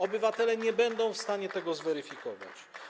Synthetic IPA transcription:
ɔbɘvat̪ɛlɛɲɛbɛnd̪ɔ̃w̃fst̪aɲɛt̪ɛɡɔzvɛɾɘfʲikɔva̰t͡ɕ

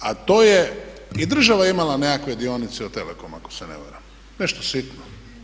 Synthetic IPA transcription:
at̪oːjeid̪r̩ʒaʋajeimalaneakʋed̪ionit̪sɛot̪elekomako̥senḛʋa̰ɾam | neʃt̪osit̪no

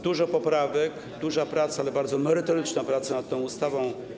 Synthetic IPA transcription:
d̪uʐɔpɔpɾavɛk | d̪uʐapɾat̪saalɛbaɾd̪zɔmɛɾɘt̪ɔɾɘt͡ʂnapɾat̪sanat̪t̪ɔ̃w̃ust̪avɔ̃w̃

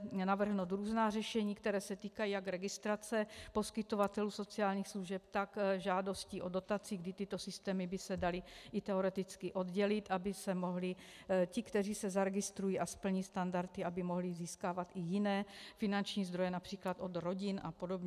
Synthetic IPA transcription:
navr̩ɦnowt̪ɾuːznaːrɛʃɛɲiːkt̪ɛɾɛːsɛt̪iːkajiːjakɾɛɡɪst̪ɾat͡sɛpo̞skɪt̪o̞vat̪ɛluːso̞t͡siaːlɲiːxsluʒɛpt̪akʒaːdo̞sciːʔo̞do̞t̪at͡siːɡdɪt̪ɪt̪o̞sɪst̪ɛːmɪbɪsɛdalɪʔɪt̪ɛoɾɛt̪ɪt͡skɪʔo̞d̪ɟɛlɪt̪ʔabɪsɛmo̞ɦlɪ | cɪkt̪ɛriːsɛzaɾɛɡɪst̪ɾujiːʔaspl̩ɲiːst̪andaɾt̪ɪabɪmo̞ɦlɪziːskaːvat̪ʔɪjɪnɛːfɪnant͡ʃɲiːzd̪ɾo̞jɛnapr̥iːklat̪ʔo̞d̪ɾo̞ɟɪnʔa̰po̞do̞bɲɛ

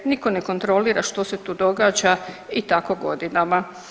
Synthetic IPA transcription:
niko̞neko̞nt̪ɾo̞liːɾaʃt̪o̞set̪uːd̪o̞ɡaːd͡ʒait̪ako̞ɡo̞̰d̪inama

